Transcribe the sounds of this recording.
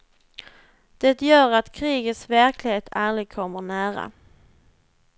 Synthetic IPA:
d̪̥ɛt̪jœːɾat̪kʰɾiːɡət̪svæɾkʰlɪheːt̪ʰalɪɡ̚kʰɔmːəɳæːɾa̰

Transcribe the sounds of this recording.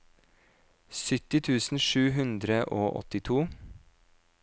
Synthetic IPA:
sʏt̪ɪt̪ʰʉːsn̩ʃʉːɦʉnd̪ɾəʔoːʔɔ̰t̪ɪt̪ʰuː

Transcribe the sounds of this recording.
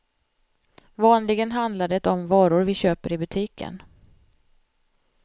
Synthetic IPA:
vɑːnlɪɡənɦand̪lad̪ɛt̪ɔmvɑːɾʊɾvɪɕøːpəɾɪbɵt̪ʰiːkʰə̰n

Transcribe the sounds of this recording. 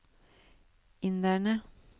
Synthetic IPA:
ɪnd̪æɳə

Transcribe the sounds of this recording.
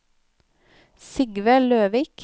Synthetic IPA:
sɪɡʋəløːʋɪːk

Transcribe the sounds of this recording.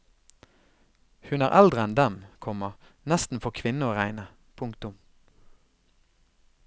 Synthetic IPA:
hʉnæːʁʔæld̪ʁəɛnd̪ɛmkʰɔmənɛst̪n̩fɔʁkʰʋɪnəoːʁæɪnə | pʰʊŋkt̪ʊm

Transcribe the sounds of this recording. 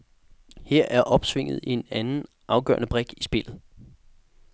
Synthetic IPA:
heɐ̰ʔæɐʔɒ̽b̥sʋe̝ŋ̰ð̞̩ˠie̝nænn̩ | ʔɑ̈ʊɡ̥œ̰ːɐnəb̥ʁeɡ̥isb̥e̝l̰ð̞̩ˠ

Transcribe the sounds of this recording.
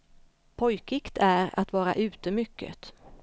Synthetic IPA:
pʰɔjkɪkt̪ʰæɾa̰t̪vɑːɾa̰ʔʉ̟ːt̪əmʏkːə̰t̪

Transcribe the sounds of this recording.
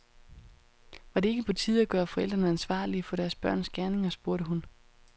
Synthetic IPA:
ʋɑ̈de̝e̝ɡ̥əpʰɒ̽t͡sʰið̞̰ˠæɡ̥ɶːɐfɒ̽el̰d̥ʁɐnəænsʋɑ̰̈ːliæfɔ̽ɾ̥æɐsb̥ɶɐ̰nsɡ̥æɐne̝ŋɐsb̥uɐɾəɦun

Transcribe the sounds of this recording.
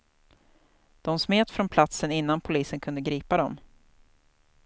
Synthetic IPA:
d̪̥ɔmsmeːt̪fɾɔnpʰlat̪sənɪn̪ːanpʰʊliːsənkʰɵnd̪əɡɾiːpad̪ɔm

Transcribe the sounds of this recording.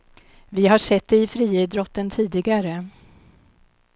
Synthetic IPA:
vɪɦaʂɛt̪̚ːd̪ɛɪfɾiːɪd̪ɾɔt̪ːənt̪ʰiːd̪ɪɡaɾə

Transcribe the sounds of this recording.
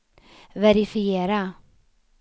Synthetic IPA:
vɛɾɪfɪeːɾa

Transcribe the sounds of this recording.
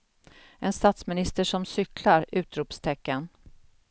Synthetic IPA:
ʔɛnst̪at̪smɪnɪst̪əʂɔmsʏklaɾʉ̟ːt̪ɾuːpst̪ʰɛkːən

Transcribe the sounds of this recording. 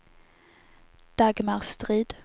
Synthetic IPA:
d̪̥aɡmaʁst̪ɾiːd̪̥

